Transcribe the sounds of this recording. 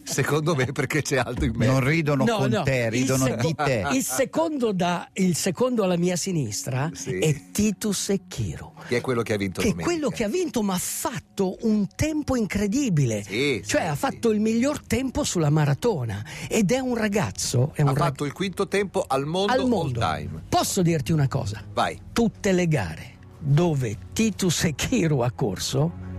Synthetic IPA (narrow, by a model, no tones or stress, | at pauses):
sekond̪omepːerket͡ʃɛalt̪ɾoimmenonriːd̪ononɔonɔt̪eriːd̪ond̪it̪eilsekond̪od̪ailsekond̪oalːamiːasinist̪ɾaiɛt̪ːiːt̪usekʰːḭːɾokeɛkwelːokeavːint̪okemeːwelːokeavːint̪omaafːat̪ːoʔunt̪ɛmpoiŋkɾed̪iːbilesit͡ʃoɛafːat̪ːoilmiʎːort̪ɛmposulamaɾat̪oːnaed̪ɛunraɡa̰t̪sːoɛunrat̪ːoilkwint̪ot̪ɛmpoʔalmonalmonld̪oa̰jmpɔsːod̪irt̪iunakɔ̰ːzava̰jt̪ut̪ːeleɡa̰ːɾe | d̪oːvet̪iːt̪usekʰːiːɾuakːo̰rso